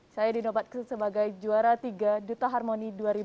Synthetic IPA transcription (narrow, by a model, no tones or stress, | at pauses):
sajadinobat̪̚ksəbaɡajd͡ʒuaɾat̪iɡadut̪aɦarmoniduaɾibu